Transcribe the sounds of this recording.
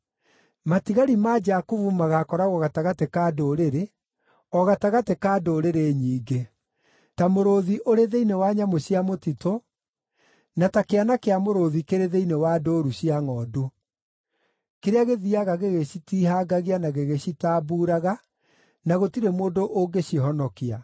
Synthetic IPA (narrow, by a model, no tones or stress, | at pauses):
matiɣaɾimad͡ʒakuvumaɣakɔɾaɣɔɣataɣatekaːdoːɾeɾe | ɔɣataɣatekaːdoːɾeɾeɲiːɡe | tamoɾoðiʔoɾeðeinewaɲamoɕiamotito | natakeanakeamoɾoðikeɾeðeinewadoːɾuɕiaŋɔːdu | keɾeaɣeðiaɣaɣeɣeɕitiɦaɡaɣianaɣeɣeɕitaːbuːɾaɣa | naɣotiɾemoːndoʔoɡeɕiɦɔnɔkia